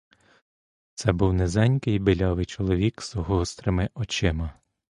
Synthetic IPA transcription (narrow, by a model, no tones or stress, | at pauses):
t̪sɛbuwnezɛnʲkɪjbɪlʲɑʋɪjt͡ʃɔlˠɔʋʲikz̥ɔɦɔst̪ɾemɪʔɔt͡ʃɪmɐ